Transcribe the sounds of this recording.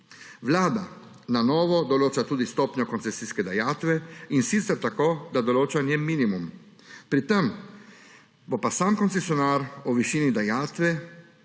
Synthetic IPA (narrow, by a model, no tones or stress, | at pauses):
ʋlaːd̪a | nanɔːʋɔd̪ɔloːt͡ʃat̪uːd̪ist̪ɔːpɲɔkɔnsɛsiskɛd̪ajaːt̪ʋɛinsit̪sɛɾt̪akoːd̪ad̪ɔloːt͡ʃanjɛmiːnimum | pɾit̪ɛm | bopasaːmkɔnt̪sɛsjɔnaːɾɔʋiʃiːnid̪ajaːt̪ʋɛ